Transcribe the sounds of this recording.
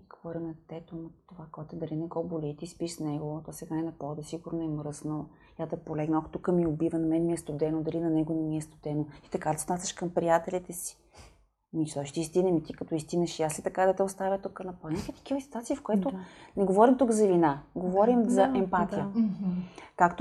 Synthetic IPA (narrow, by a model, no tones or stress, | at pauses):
ɡ̥ovɔɾimnɐt̪ɛt̪omt̪ːovakɔt̪ɛd̪ɐlinɛɡɔbolɛt̪ispiʃsnɛɡot̪ɔsɛɡaɛnɐpɔd̪əsiɡʊɾnoɛmɾɤsno | jad̪ɛpolɛɡnɐkt̪ukəmiobivənɐmɛnmiɛst̪ʊd̪ɛnod̪ɐlinɐnɛɡʊnɛmiɛst̪o̥d̪ɛnoi̥t̪ɐkad̪ɐsot̪nasʲəʃkɐmpɾijat̪ɛlit̪ɛsi̥ | miʃt̪ɔʃt̪iist̪inɐmit̪ikɐt̪ɔist̪inɐʃiaslɛt̪ɐkad̪ɐt̪ɛost̪avʲət̪ukənɐpɔnakit̪ɐ̥kivəsit̪wat̪sifkoɛt̪ʊnɛɡovɔɾimt̪ukzɐvinaɡovɔɾimzɐɛmpat̪ijə | kakt̪